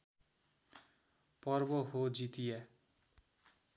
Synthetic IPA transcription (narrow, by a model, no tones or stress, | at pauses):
pʌrbohod͡zit̪ije